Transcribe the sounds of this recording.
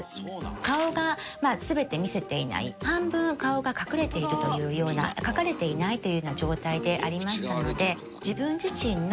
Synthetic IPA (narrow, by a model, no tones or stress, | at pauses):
kao̞ɡa | masɨbe̞t̪e̞mʲise̞t̪e̞ina̰ḭhãmbɯ̟̃ŋkao̞ɡakakɯ̟ɾe̞t̪e̞iɾɯ̟t̪o̞jɯ̟ːjo̞ːna̰kakaɾe̞t̪e̞inait̪o̞jɯ̟nad͡ʑo̞ːt̪aid̪e̞ʔa̰ɾʲimaɕi̥t̪ano̞d̪e̞ | d͡ʑibɯ̟̃ɲ̟d͡ʑiɕĩnː